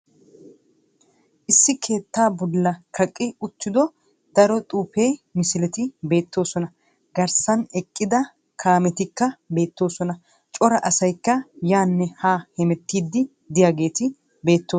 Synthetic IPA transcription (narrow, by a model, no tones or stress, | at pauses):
ʔɪsːɪkʰe̞ːt̪ːaːbɔlːɐkʰɐkʼːɪʊt̪ːɪd̪ɔ | d̪ɐɾɔt̪ʼuːpe̞ːmɪsɪlɛt̪ɪbe̞ːt̪ːo̞ːsɔnɐ | ɡɐɾsɐnɛkʼːɪd̪ɐ | kʰaːmɛt̪ɪkːɐbe̞ːt̪ːo̞ːsɔnɐ | t͡ʃʼɔɾɐʔɐsɐjkːɐjaːnːɛhaːhɛmɛt̪ːiːd̪ːɪ | d̪ɪjaːɡe̞ːt̪ɪ | be̞ːt̪ːoː